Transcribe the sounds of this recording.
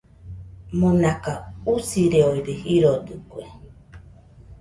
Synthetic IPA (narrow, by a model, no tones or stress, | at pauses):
munakausiɾeoiɾehiɾod̪ɨkue